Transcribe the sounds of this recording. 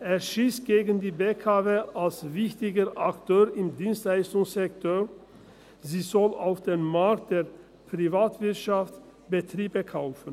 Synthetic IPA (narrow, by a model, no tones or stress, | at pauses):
ʔeːɐʃiːsɡ̥eːɡən̩diːbekʰavealsvɪçtɪɡəʔaktʰøːʁɪmdiːnstlaɪstʊŋszɛktʰoː | ziːzɔlaʊfd̥enmaɐk̚t̚d̥eːɐ | pʁ̥ivaːtv̥ɪɐtʃaft | b̥ətʁiːbəkʰaʊfən̩